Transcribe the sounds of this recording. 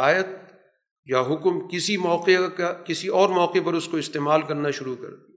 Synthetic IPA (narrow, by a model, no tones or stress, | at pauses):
aːjət̪̚ | jaɦʊkmkɪsimɔːqekakɪsiɔːɾmɔːqepɐɾʊskoɪst̪eːmaːlkɐɾnaʃʊɾukɐ̰ɾt̪i